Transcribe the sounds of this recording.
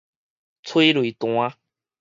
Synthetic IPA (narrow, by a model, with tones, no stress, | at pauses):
t͡sʰwe˦lwi˨t̪w̃a˦